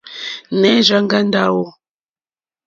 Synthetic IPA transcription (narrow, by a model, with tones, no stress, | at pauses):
nɛ˦ʒa˦ŋɡa˦nda˦˨wɔ˦